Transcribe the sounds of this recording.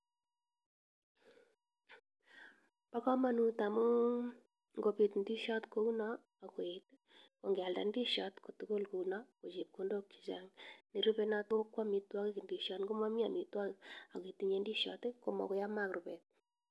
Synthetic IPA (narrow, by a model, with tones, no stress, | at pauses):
pa˦kɔ˦ma˨nu˦ta˨mo˦ | ŋɡo˨pi˨t̪ndi˦ʃɔ˦tko˦u˦nɔ˦ | a˨kwe˨t̪ | ko˨ŋɡa˨lda̰˨ndi˦ʃɔ˦tko˨t̪u˦ko˦lko˨unɔ˦ko˨t͡ʃi˨p̚ko˦ndo˦kːi̥˨za˦ŋni˨ɾu˦pe˦na˦t̪o˦kːwa˦mi˨t̪wa˦ke˦ki˨ndi˨ʃɔ˨˦tŋɡo˦ma˦mi˦a˨mi˨t̪wa˦ka˨ke˨t̪i˨ɲe˦ndi˦ʃɔ̰˦t̪e˦ko˦mɔ̰˨ko˦ja˦ma˦kɾo˨pɛ˨t̪̚